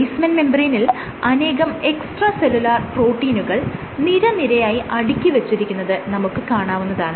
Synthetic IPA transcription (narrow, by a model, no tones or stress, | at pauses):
jsmɐnme̞mbɐrinil | ɐne̞ːɣɐme̞ksʈrɐselulaːrpro̞ːʈːiːnuɣɐɭ | niɾɐniɾɐjaːjiʔɐɽikʲːiʋet͡ɕːiɾikʲːunːɐðɨnɐmukːɨkaːɳaːʋunːɐðaːɳɨ